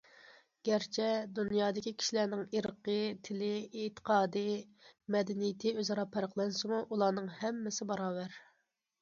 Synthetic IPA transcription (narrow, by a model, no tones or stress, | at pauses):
ɡ̥ʲæɾt͡ʃʰɛd̪unjɑːd̪ɪkʲikʲʰi̥ʃilænɪŋiɾəqʰət̪ʰɪlɪet̪ʰə̥qʰɑːd̪ɨmɛd̪ɪnijɪt̪ʰɪøzɑɾɑpʰæɾəqlˠɑnsɨmuʔulˠɑːnɨŋhɛmːɪsɪbɑɾɑːwæɾ